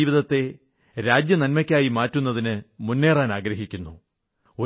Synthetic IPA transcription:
ʋiðɐt̪ːe̞ | ɾaːd͡ʑjɐnɐnmɐkʲːaːjimaːtːunːɐðinɨmunːe̞ːraːnaːɡɾɐɦikʲːunːu | o

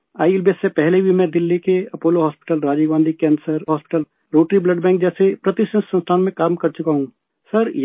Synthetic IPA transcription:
aːjlbiəssepɛɦlebʱimɛ̃ːd̪ɪlːikeɐpoːloɦɔːspɪ̥ʈəlɾaːd͡ʒiːɡãːnd̪ʱikɛ̃ːnsəɾɦɔːspɪ̥ʈəl | ɾoːʈɾiblɐɖbɛ̃ːŋk̚d͡ʒɛːsepɾɐt̪ɪsʈə̃ssɐ̃nst̪ʰaːnmẽkaːmkɐɾt͡ʃʊkaɦũ | sɐɾj

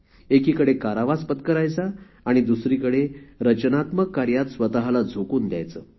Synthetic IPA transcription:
ekiːkəɽekaɾaʋaspət̪kəɾajt͡saː | ɽ̃id̪usɾiːkəɽeɾət͡ɕnat̪məkːaɾjat̪sʋət̪aɦlad͡zʱokuːnd̪ja̰jt͡səː

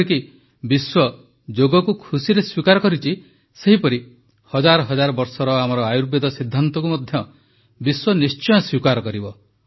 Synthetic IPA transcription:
iki | biswɔ | d͡ʒoɡɔkukʰusiɾeswikaɾɔkɔɾit͡ʃʰi | seɦipɔɾi | hɔd͡ʒaɾɔɦɔd͡ʒaɾɔbɔɾsɔɾɔamɔɾɔajuɾped̪ɔsid̪ʱːant̪ɔkumɔd̪ʱjɔ | biswɔnist͡ʃɔjɔswikaɾɔkɔɾibɔ

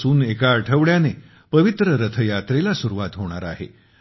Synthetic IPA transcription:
suːnekaəʈʰəʋɭjane | pəʋit̪ɾəɾət̪ʰəjat̪ɾelasuɾuʋat̪ɦoɽ̃a̰ɾa̰ɦḛ

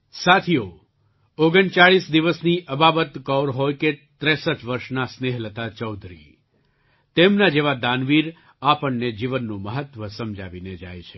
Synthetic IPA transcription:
sat̪ʰijo | oɡəɳt͡ʃaɭisd̪iʋəsniʔəbabət̪kɔɾɦojket̪ɾɛsəʈʋəɾʃnasneɦlət̪at͡ʃɔwd̪ʱɾḭ | t̪emnad͡ʒeʋad̪anʋiɾ | apəɳːed͡ʒiʋənːũməɦət̪ʋəsəmd͡ʒʱaʋined͡ʒa̰jt͡ʃʰe̥

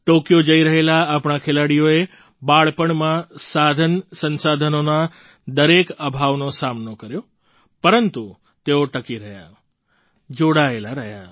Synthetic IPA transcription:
ʈokjod͡ʒəiɾəɦelaːpɳakʰelaɽijoe | baɭpəɳmãsad̪ʱənsənsad̪ʱənona | d̪əɾekəbʱaʋnosamnokəɾjo | pəɾənt̪u | t̪eoʈəkiɾəɦja̰ | d͡ʒoɽaelaɾəɦja̰

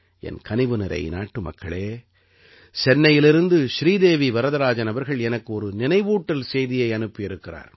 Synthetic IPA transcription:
ɛ̰nkɐnɪʋɯnɪɾɐ̰ɪnaːʈːɯmɐ̰kːɐ̰ɭeː | sɛnːɐjɪlɪɾɯnd̪ɯʃɾiːd̪eːʋiʋɐɾɐðɐɾaːd͡ʒɐnɐʋɐɾɣɐɭɛnɐkːɯɔɾɯnɪnɐɪʋuːʈːɐlsɛjðɪjɐɪɐnɯpːɪjɪɾɯkːɪra̰ːɾ

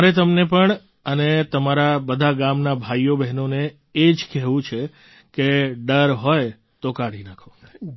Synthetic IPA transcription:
əɾet̪əmnepəɳ | ənet̪əmaɾabəd̪ʱaɡamnabʱajobɛɦnone | ed͡ʒkɛɦʋũt͡ʃʰe | keɖəɾɦoj | t̪okaɽinakʰo

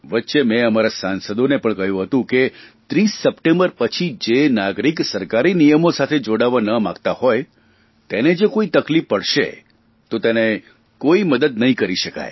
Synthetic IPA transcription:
ʋətːʃemɛ̃əmaɾasansəd̪onepəɳkəɦjũɦət̪ũket̪ɾisːəpʈembəɾpət͡ʃʰid͡ʒenaɡɾiksəɾkaɾinijəmosat̪ʰed͡ʒoɽaʋanəmã̰ɡt̪ahoj | t̪ened͡ʒekoit̪əklifːəɽʃḛ | t̪ot̪ene | koiməd̪əd̪nəɦĩkəɾiʃəka̰j

